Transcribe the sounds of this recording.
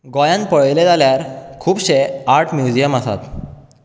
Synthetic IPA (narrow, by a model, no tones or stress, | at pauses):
ɡɔjãnpəɭled͡zaljaɾkʰuːbɕeaɾʈʰmjud͡ʑijəmasa̰t̪